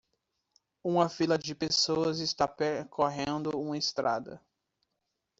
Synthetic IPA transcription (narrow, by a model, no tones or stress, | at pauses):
ũmɐfilɐd͡ʒɪpesoɐzɪst̪apɛɾkʰoɦẽnd̪ʊũmɐest̪ɾa̰d̪ɐ̰